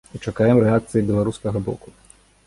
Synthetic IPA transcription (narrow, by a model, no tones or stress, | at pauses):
ut͡ʂakajɛmɾɛak̚t̪sɨjibʲilˠaɾuskɐɣɐbɔ̰ku